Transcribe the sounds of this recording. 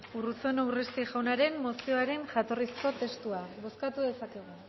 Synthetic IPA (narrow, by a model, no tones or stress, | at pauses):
urut͡so̞newrest̪iʝawnaɾe̞mːo̞sio̞aɾe̞nʝat̪o̞risko̞t̪e̞st̪uaβo̞skat̪uðe̞sake̞ɣ̞u